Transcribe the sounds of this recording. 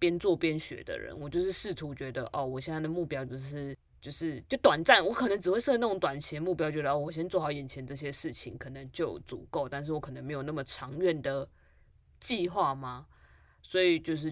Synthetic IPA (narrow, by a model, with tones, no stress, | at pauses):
pjɛ˥nt͡swɔ˥˨pjɛ˦nɕɥɛ̰˧˥d̪ə̰˧ɻə̰˧˦nwɔ˨˩t͡ɕjo˥˧ʊʂɻ̩˥˧ʂɻ̩˥˩t̪ʰu˧˥t͡ɕɥɛ˧˥d̪ə̰˧ʔɔ˥˩wɔ˨˩ɕjɛ˥˧nt͡sa˥˩d̪ə˩mu˥˩pjɑ˥ʊt͡ɕo˥˧ʊʂɻ̩˥˧ | t͡ɕjo˥˧ʊʂɻ̩˥˧t͡ɕjo˥˩ʊt̪wa˨˩nt͡sa˥˩nwɔ˧˥kʰɤ˨˩nə˧˥ŋʈ͡ʂɻ̩˨˩wɪʂɤ˥˧na˥˩ʈ͡ʂʊ˧˦ŋt̪wa˨˩nt͡ɕʰɛ˧˦˥nmu˥˩pjʊt͡ɕɥɛ˧d̪ə˧ɔ˥˩wɔ˨˩ɕ̬jɛ˥nt͡swɔ˥˨˩xɑ˨˧˥ʊjɛ˨˩nt͡ɕʰjɛ˧˦nʈ͡ʂɤ˥˩ɕ̬jɛ˦ʂɻ̩˥˩t͡ɕʰḭ˧˦ŋkʰɤ˨˩nə˧˦ŋt͡ɕjo˥˩ʊt͡sṵ˨˩ko˥˩ʊt̪a˥˧nʂ̬ɻ̩˥˩wɔ˧˦kʰn˧˦me˧˥ɪjo˨˩ʊna˥˩mə˩ʈ͡ʂʰɑ˧˥ŋɥɛ˥˨˩nd̪ə˩ | t͡ɕi˥˧xwa˥˩ma˩ | swɔ˧˥i˨˩t͡ɕjo˥˧ʊʂ̬ɻ̩˥˩